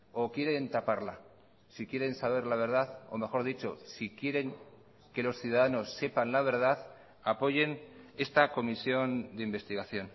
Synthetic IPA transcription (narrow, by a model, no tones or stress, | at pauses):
o̞kje̞ɾe̞nt̪apaɾla | sikje̞ɾe̞nsaβ̞e̞ɾlaβ̞e̞ɾð̞aθo̞̰me̞xo̞ɾðit͡ʃo̞sikjeɾe̞ŋ | ke̞lo̞sθjuðaðano̞sːe̞panlaβ̞e̞ɾð̞aθ | apo̞ʝe̞ne̞st̪ako̞misjo̞nd̪eimbe̞st̪iɣaθjo̞n